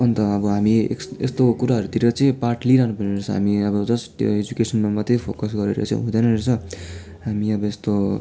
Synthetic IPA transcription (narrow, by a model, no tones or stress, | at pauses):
ʌnt̪ʌʌbʌɦamiḛkḛst̪okuɾaɦʌɾut̪iɾʌt͡sʌĩpaʈliɾaɦnupʌneet͡sʰʌɦa̰miʌbʌd͡zʌsjo̰ed͡zukesʌnmamʌt̪epʰokʌs̬ɡʌɾeɾʌ̰t͡sʌ̰ḭ̃ɦũd̪ʌnʌnert͡sʰʌ | ɦamiʌbʌest̪o